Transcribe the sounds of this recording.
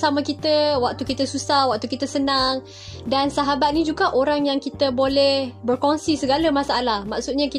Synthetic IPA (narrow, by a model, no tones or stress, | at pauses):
samãkit̪əwak̚t̪ukit̪əsusahwak̚t̪ukit̪əsənaŋ | dansaɦabat̪̚nid͡ʒuɡaʔoɾaŋjaŋkit̪əbolɛhbərkonsisəɡaləmãsaalahmak̚sut̪̚ɲaki